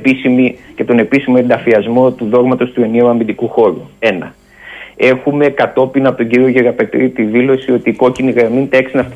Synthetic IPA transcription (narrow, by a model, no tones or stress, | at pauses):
pisimice̞t̪o̞ne̞pisimo̞end̪ɐfiɐzmo̞t̪uðo̞ɣmɐt̪o̞st̪ue̞neuɐmind̪ikuxo̞ɾue̞nɐ̰ | e̞xume̞kɐt̪o̞pinɐpo̞t̪oɟiɾio̞ʝeɣɐpet̪it̪iðilo̞sio̞t̪iːko̞ciniɣɾɐmint̪eksinɐft̪